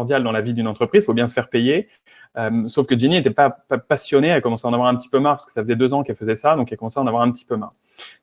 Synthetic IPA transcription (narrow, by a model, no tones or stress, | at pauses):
ʁd̪jald̪ɑ̃lavid̪ynɑ̃t̪χəpχizfobjɛ̃sə̥fɛʁpeje | ømsofkəd͡ʒiniet̪ɛpapapasjɔneɛkɔmɑ̃seaɑ̃navwaʁɛ̃pət̪i̥pømaʁpḁskə̥safəzɛd̪øzɑ̃kɛlfəzɛsad̪ɔ̃kɛlkɔmɑ̃seaɑ̃navwaʁɛ̃pət̪ʰi̥pømaʁ